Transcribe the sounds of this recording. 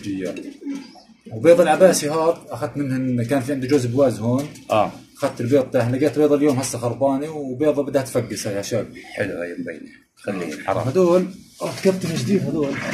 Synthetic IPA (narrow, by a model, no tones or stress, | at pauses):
d͡ʒɪjːa | wbeːðˤɑlʕabaːsihɑːɾˤʔaxad̪̚t̪mɪnhnkaːnfiʕɪnd̪id͡ʒʊzbwaːzhoːnʔʔaxad̪̚t̪ɪlbeːt̪ˤt̪ahlaɡaːt̪beːðˤɑljoːmhasːaxɑɾˤbɑːniwbeːðˤɑbɪd̪hat̪faɡːɪsaaʃjaːk̚ħlajmba̰jni | xalːḭːħɑɾˤɑ̰had̪uːlʔat̪kabt̪amad͡ʒd̪iːd̪had̪uːl